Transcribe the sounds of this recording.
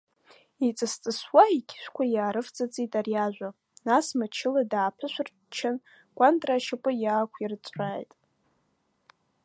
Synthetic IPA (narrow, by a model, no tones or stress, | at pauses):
it͡sʼɨst͡sʼɨswaikʲʰɪ̥ʃʷᶣkʷʰajaːɾɨft͡sʼat͡sʼitʼarijaʒᶣʷa | nasmat͡ʃʰɪladaːpʰɨʃʷᶣʊr | t͡ʃʰɪn | kʷʼantʼraʃɪpʷʼɨjaːkʷʰirt͡sʷʼaːjtʼ